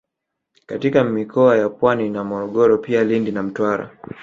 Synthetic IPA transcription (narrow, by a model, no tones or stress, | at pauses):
katikamikʰɔajapwaninamɔɾɔɠɔɾɔpialindinam̩twaɾa̰